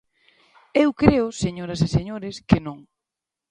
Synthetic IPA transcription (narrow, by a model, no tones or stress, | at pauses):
ewkɾeʊseɲoɾɐseseɲoɾɪskɪnõŋ